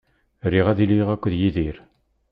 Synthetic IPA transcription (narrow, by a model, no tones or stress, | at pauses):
ɾiʁæðiliʁækʷːðjiðiɾ